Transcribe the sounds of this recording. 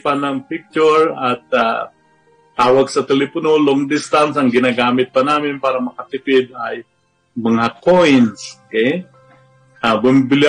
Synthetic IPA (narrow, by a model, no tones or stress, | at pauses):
panɐŋpɪk̚t͡ʃʊɹɐt̪̚a̰ | t̪aːwaɡsɐt̪ɛlɛpʊnoloŋd̪ɪst̪ansɐŋɡɪnaɡaːmɪt̪̚pɐnaːmɪnpaːɾɐmɐkɐt̪ɪpɪd̪̚aj | mɐŋakojnsokej | ʔabʊmɪbɪl